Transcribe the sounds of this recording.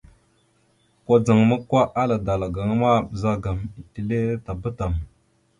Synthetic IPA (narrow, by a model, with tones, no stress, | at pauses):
kʷa˦d͡za˨ŋmə˦kːwa˦ʔa˦la˨da˨la˨ɡa˨ŋ˦ma˦˨bə˨za˦ɡa˨mi˨ti˨le˦ta˨bə˦ta˨m